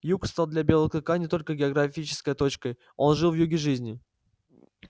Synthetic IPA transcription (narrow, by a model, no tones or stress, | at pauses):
jukst̪alˠd̪lʲabʲelˠək̪lˠɨkanʲɪt̪o̞lʲkəɡʲɪɐɡɾɐfʲit͡ɕɪ̥skəjt̪o̞t͡ɕkəj | o̞nʐɨlˠvjuɡʲɪʐɨzʲnʲɪ